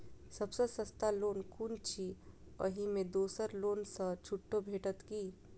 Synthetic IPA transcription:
sɐbsəsəst̪aloːnkʰunt͡ʃʰi | ə̰ɦimẽd̪oːsəɾloːnsət͡ʃʰuʈːobʱeːʈət̪kiː

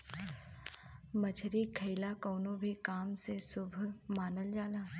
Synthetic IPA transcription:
mɐt͡ʃʰɾikʰɐɪlakoːnõbʱikaːmsesʊbʱmaːnəld͡ʒaːlaː

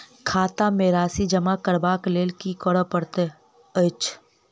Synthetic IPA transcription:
kʰaːt̪ameːɾaːsid͡ʒəmakəɾbaːkleːlkikɔɽəpəɽt̪e | ət͡ʃ

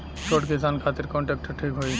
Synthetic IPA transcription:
t͡ʃoʈkisankʰat̪iɾkɔ̃ɳʈek̚ʈʰʈʰikɦoj

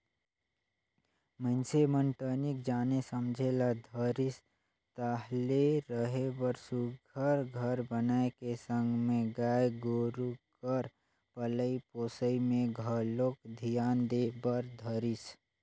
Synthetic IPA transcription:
məɪnseməɳʈənik̚d͡ʒaːnesəmd͡ʒʱelad̪ʱəɾɪs | t̪aɦleɾəɦebəɾsuɡʱəɾɡʱəɾbənaːekesə̃ŋɡʱmẽɡaːeɡoːɾukəɾ | pələipoːsəimẽɡʱəɾloːkd̪ʱijaːnd̪ebəɾd̪ʱəɾɪs

